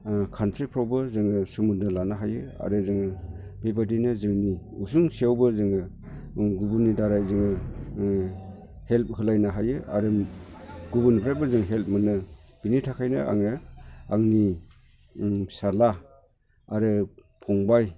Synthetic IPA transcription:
kʰantʰɾipʰɾawbɯzɯŋɯsɯmundɯɾlanaɦajɯa̰ɾɯzɯŋɯ | bebadinɯzɯŋniusuŋsiawbɯzɯŋɯ | ɡubunidaɾajzɯŋɯ | help̚hɯlajnaɦajɯʔa̰ɾɯ | ɡubunipʰɾabɯzɯŋɦelp̚mɯnɯb̥initʰakʰajnɯ̰ʔa̰ŋɯaŋni | sala | aɾɯ | pʰɔŋbaj

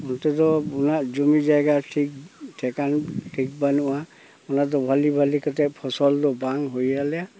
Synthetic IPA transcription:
ɔntɛtɔunazumizajɡatʰiktʰɛkanʈʰik̚banuʔa | unatɔbʱalibʱalikɔtɛpʰɔsɔldɔbaŋɦojalɛja

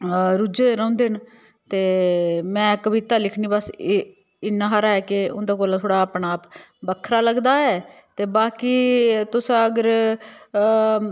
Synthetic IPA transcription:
ɾud͡ʒed̪eːɾɔ̃ːnd̪eːɦn | t̪eːmɛ̃ːkəʋit̪aːlɪkʰniːbəs | ɪnːaːɦəɾaːɛːkɪʊ̰nd̪aːkoːlt̪ʰoːɽaːəpɳaːpbəkʰɾaːləɡd̪aːɛːt̪eːbaːkiːt̪ʊsaəɡəɾ

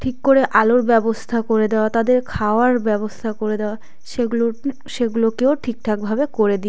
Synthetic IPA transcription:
ʈʰikːoɾeʔaloɾbɛbost̪ʰakoɾed̪eoat̪ad̪eɾkʰaoaɾbɛβost̪ʰakoɾed̪eoa | ʃelo | ʃeɡulokeoʈʰik̚ʈʰak̚bʱabekoɾed̪i

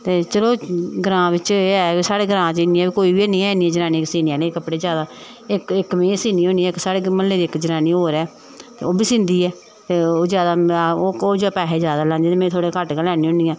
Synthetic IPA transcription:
t̪eːt͡ʃəloːɡɾãːʋɪt͡ʃeɛːsaːɽeːɡəɾãːt͡ʃɪniːɛ̃ːbiːkoːiːbiːnĩːɛːɪnĩːɛ̃ːd͡ʒənaːniːksiːniãːlẽːkəpɽeːzjaːd̪aː | ɪkɪkmẽːsiːniːõːniːɛːɪksaːɽeːməlːeːd̪iːɪkd͡ʒənaːniːoːɾɛː | t̪ḛːoːbiːsɪ̃nd̪iːɛː | t̪eːoːzjaːd̪aːooːd͡ʒpɛːɦeːzjaːd̪aːlãnd̪iːt̪eːmẽːt̪ʰoːɽekəʈkelɛːnĩːõːniːɛː

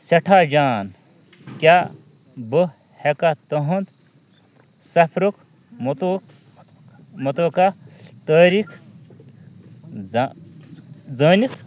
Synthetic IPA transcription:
sɐʈʰaːd͡ʒaːn | kʲa | bə | hekat̪ɐɦɐnd̪ | sɐpʰɾuk | mt̪o | mɐt̪oːkat̪ɐːɾikʰ | d͡zɐːnis

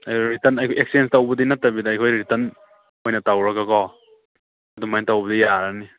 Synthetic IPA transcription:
ajkʰjɾitɐnajkʰoʔek̚sienstawbudinatːabidːjkʰɔjɾitɐn | ojnɐtawɾakakɔ | ɐdumajntawbəd̪ijaɾani

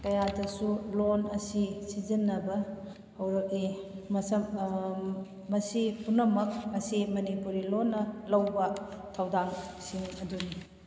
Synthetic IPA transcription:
kɐjadɐsulonɐsisizinːɐbɐ | hɐwɾɐk̚imɐsɐ | mɐsipunɐmɐk̚ɐsimɐnipuɾilonːɐlɐwbɐtʰɐwdaŋsiŋɐduni

